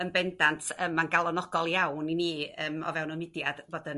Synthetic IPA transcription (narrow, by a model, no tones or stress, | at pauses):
ənbɛndantʰəmanɡalˠɔnɔɡ̥ɔlˠjawniniːəːmɔ̰vɛwnɔmɪdjad̥voːdən